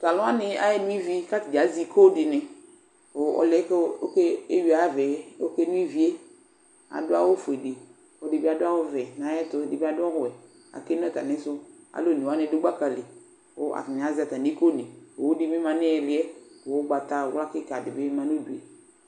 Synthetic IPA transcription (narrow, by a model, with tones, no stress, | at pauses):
ta˨lʊ̃˦a˦nɪ˦a̰˦jɛ˦nu˦i˦vi˦ka˦tɪ˨d͡ʒa˨˦zi˦ko˦dɪ˨nɪ˨ | ʊ˨ɔ̰˨lɛ˦ko˦ke˦e˦wi˨a˨˦vɛ˨˦o˦ke˦nũ˦i˦vi˨˦e˦ | a̰˨dʊ˦a˦wʊ˦fʊ˨e˨di˨ | ɔ˨dɪ˨bi˦a˨dʊ˦a˦wʊ˦vɛ˨na˨˦jɛ˦tʊ˨dɪ˨bi˦a˨dʊ˦ɔ˦hʊ˨ɛ˨ | a̰˨ke˦n˦ɛ˦˨ta˨nɪ̃˨˦sʊ˦a̰˨lo˦˨ni˨a˦nɪ̃˦dʊ˦ɡ͡ba˦ka˨lɪ˨ | ʊ̰˨˦ʔa̰˨fɪ˨n˨a˨zɪ˨˦a˨ta˨ni˨˦ko˦nɪ˨o˨wdi˦mi˦mã˨nɪ˦ɛ˨lɪ˦ɛ˦˨wʊ˦ɡ͡ba˨ta˨˦wla˦kɪ˦ka˨dɪ˨bɪ˦mã˦n˦o˦du˨ḛ˨